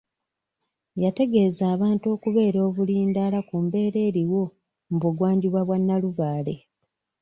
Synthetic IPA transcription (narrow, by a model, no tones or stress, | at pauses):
jate̞ɡe̞zaːβaːnto̞ːkuβe̞ːɾo̞ːβuliːndaːlakumbe̞ːɾe̞ːɾiwo̞ | mbuɡwaːɲɟiβwaβwanːaluβaːle̞̰